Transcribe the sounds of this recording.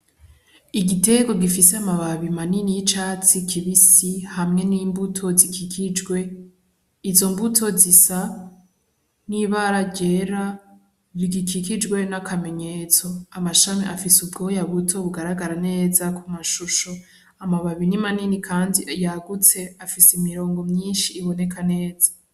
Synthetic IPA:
iɡite̞ɡo̞ɡifiseamaβaβimaninijit͡ʃaːt͡sikʰiβisihamŋe̞niːmbutʰo̞zikʰikʰid͡ʒɡwe̞ | izo̞mbutʰo̞zisa | niβaɾaɟe̞ːɾa | βiɡikʰikid͡ʒɡwe̞nakʰame̞ɲe̞ːt͡so̞amaʃamiʔafisubɡo̞jaβutʰo̞βuɡaɾaɡaɾane̞ːzakʰumaʃuʃo | amaβaβinimaninikʰaːndijaɡut͡se̞afiseimiɾo̞ːŋɡo̞mɲiːnʃiːβo̞ne̞kʰane̞ːz̥a

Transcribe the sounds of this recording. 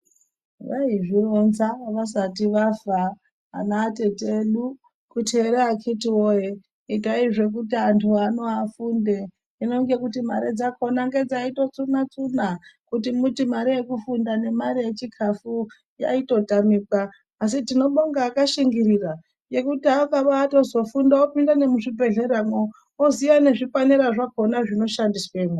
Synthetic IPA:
ʋaiʐiro̞nzaʋas̬atiʋava | a̰naːte̞teɗu | kutieɾeakʰitiwoje | itaiʐe̞k̬utiantʰuano̞afunde | ino̞ŋɡe̞kutimaɾed͡zakʰo̞naŋɡe̞d͡zaito̞t͡sunat͡sunakutimutimaɾije̞kufundane̞maɾije̞t͡ʃikʰafu | ja̰ito̞tamiːkaː | s̬itino̞ɓoŋɡaːkaʃiŋɡiɾira | je̞kutiaokaʋaːto̞zo̞fundaopindane̞muʐibʱe̞ɮe̞ɾamo | oziʋane̞ʐipaniɾaʐako̞naʐino̞ʃandisweːmo

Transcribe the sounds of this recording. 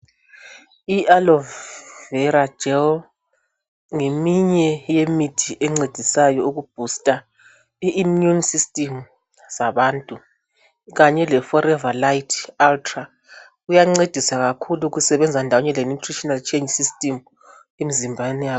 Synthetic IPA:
iʔalɔvvɛɾḁd͡ʒ̥ʱɛl | ŋemiɲɛjemitʰiʔɛŋ͡ǀed̥ʱisajɔuɣub̥ʱustʼa | iːmjunsistʼim | z̥aβaːntʼu | ɣaɲɛlɛfɔɾɛvalajtʰaltʰra | ujaŋ͡ǀed̥ʱisaɣakʰuluɣusɛβɛnd͡zʱandʱawɔɲɛlenutʰriʃɔnalt͡ʃʰʼend͡ʒsistʼim | emizimbʱanɛja

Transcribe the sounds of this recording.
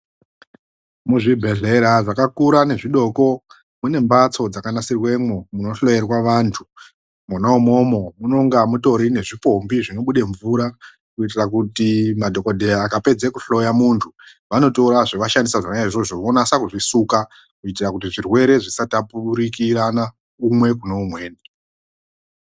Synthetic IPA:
muʐibʱe̞ɮe̞ɾaʐakakuɾane̞ʐiɗo̞ko̞ | mune̞mbat͡so̞d͡zakanasirwe̞momuno̞ɬo̞jerwaʋantʰu | munaumo̞mo̞munoŋɡamuto̞ɾine̞ʐipo̞mbiʐino̞ɓuɗe̞ɱvuɾa | kuit̬irakutimadʱo̞kodʱejaːkape̞d͡zekuɬo̞jamuntʰu | ʋano̞to̞ɾaʐoʋaʃandisaʐanaaʐiʐoʐoʋonasakuʐisuka | kuit̬irakut̬iʐirwe̞ɾe̞ʐisatapuɓuɾikirana | umwe̞kunoumwe̞ːni

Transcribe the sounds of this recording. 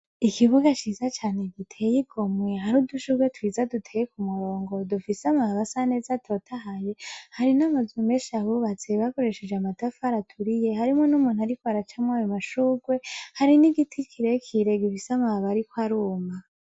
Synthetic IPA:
ikiβuɡat͡ʃizat͡ʃaːne̞ɡitʰe̞ːjiɡo̞mwe̞ɦaɾuduʃuːɡwe̞twizadutʰeːjekumuɾo̞ːŋɡo̞dufisamaβasane̞ːzatʰo̞tʰaɦaje̞haɾinamazumeʃaβuβat͡se̞βako̞ɾe̞ʃed͡ʒeamatafaɾatʰuɾije̞haɾimonumuːnhuaɾikoaɾat͡ʃamŋwajomaʃuːɡwe̞haɾiniɡitʰikʰiɾekʰiɾe̞ɡifisamaβaɾikwaɾuːma

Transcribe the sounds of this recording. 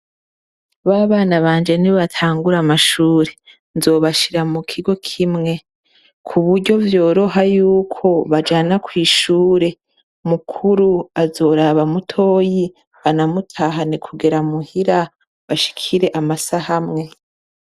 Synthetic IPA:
βaːβaːnaβaːnd͡ʒe̞niβatʰaːŋɡuɾamaʃuːɾe̞ | nzo̞ːβaʃiɾamukʰiɡo̞kʰimŋe̞ | kʰuβuɾɟo̞vjo̞ːɾo̞ɦajuːkʰo̞βad͡ʒanakwiːʃuːɾe̞ | mukʰuɾuazo̞ːɾaβamutʰo̞ːji | βanamutʰaɦanikʰuɡeɾamuhiɾa | βaʃi̥kʰiɾe̞ʔamasahamŋe̞

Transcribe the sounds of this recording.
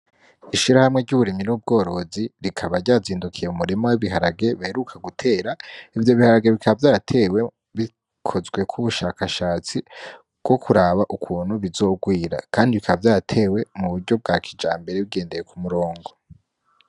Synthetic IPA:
iʃiɾahamŋe̞ɟuβuɾiminub̚ɡo̞ːɾo̞ziɾikʰaβaɾɟaːziːndukʰije̞umuɾe̞mawiβiɦaɾaɡe̞βaheɾukʰaɡutʰe̞ːɾaivjo̞βihaɾaɡe̞βikʰaβavjaːɾatʰe̞ːwe̞ | βi | kʰo̞zɡwe̞kʰuβuʃaːkaʃaːt͡si | bɡ̥o̞kʰuɾaːβaʔukʰuːn̥huβizo̞ːɡwiːɾa̰kʰaːndiβikʰaβavjaːɾatʰe̞ːwe̞muβuɾɟo̞b̚ɡaːkʰid͡ʒa̰ːmbe̞ɾe̞βiɡe̞ːnde̞je̞kʰumuɾo̞ːŋɡo̞

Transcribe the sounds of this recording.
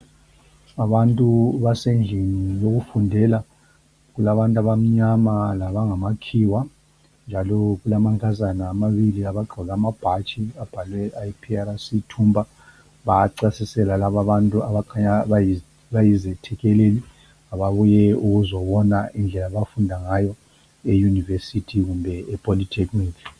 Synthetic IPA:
aβantʼuβasend͡ɮʱinijoɣufundʱɛla | ɣulaβantʼaβam̩ɲamalaβaŋamakʰiwa | nd͡ʒʱalɔɣulamaŋkʰazanaːmaβiliaβaɡ͡ǃʱɔɣamab̥ʱat͡ʃʼiab̥ʱalwɛaipʰiaɾasitʰumbʱa | βaaǀasisɛlalaβaβantʼuaβakʰaɲaβaj | βajizɛtʰɛkɛleli | aβaβujɛuɣuzɔβɔnaʔind͡ɮʱɛlaβafundʱaŋajɔ | ejunivesitʰiɣumbʱɛɛpʰʼolitʰekmiːti

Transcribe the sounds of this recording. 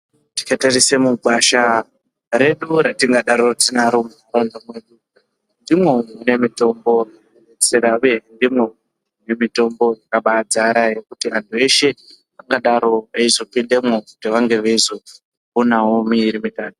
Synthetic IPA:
ti̥katarisemuɡwaʃa | ɾe̞ɗuɾatiŋɡaɗaɾotinaɾomuaɾondomweɗu | ndimwe̞une̞mito̞mbo̞jaeneseɾauje̞ndimwe̞ | une̞mito̞mbo̞jakaɓad͡zaɾaje̞kutiʋantʰue̞ʃe̞ | aŋɡaɗaɾo̞eizopinde̞mwokutiʋaŋɡe̞ʋeizo | unaomiɾimitaːtu

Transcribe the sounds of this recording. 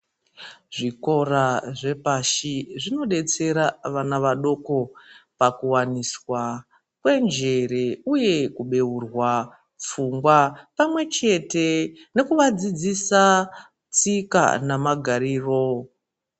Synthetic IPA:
ʐiko̞raʐe̞paʃiʐino̞ɗe̞t͡se̞ɾaʋanaʋaɗo̞ko̞pakuwaniswa | kwe̞nd͡ʒe̞re̞uje̞kuɓe̞urwa | p͡fuŋɡwapamwe̞t͡ʃe̞te̞ne̞kuʋad͡zid͡zisa | t͡sika̰namaɡʱaɾiːro̞

